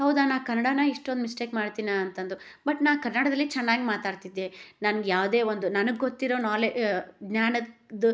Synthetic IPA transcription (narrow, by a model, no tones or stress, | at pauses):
ɦɐwd̪aːnaːkɐnːɐɽaːnɐiʂʈond̪misʈeːkmaːɽt̪iːnaɐnt̪ɐnd̪u | bɐʈnaːkɐɾnɐɽɐd̪ɐlːit͡ʃɛnːaːɡimaːt̪aːɽt̪id̪ːenɐnɐɡjaːʋd̪e̞ːʋond̪unɐnɐɡɡot̪ːiɾo̞ːnaːleɡnaːnɐd̪